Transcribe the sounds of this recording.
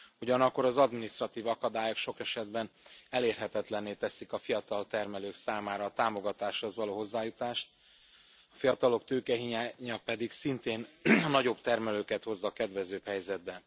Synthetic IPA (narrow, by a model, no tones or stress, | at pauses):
uɟɒnɒkːo̞ɾɒzɒd̪minist̪rɒt̪iːvɒkɒd̪aːjokʃo̞kɛʃɛd̪bɛnɛleːrɦɛt̪ɛt̪lɛnːeːt̪ɛsikɒfijɒt̪ɒlt̪ɛrmɛløːksaːmaːɾɒːt̪aːmo̞ɡɒt̪aːʃho̞zʋɒloːɦo̞zːaːjut̪aːʃt̪̚ | ɒfijɒt̪ɒlo̞kt̪øːkɛɦiɲaːɲɒpɛd̪iksint̪eːnnɒɟo̞bt̪ɛrmɛløːkɛt̪ho̞zːɒkɛd̪ʋɛzøːphɛjzɛd̪̚bɛ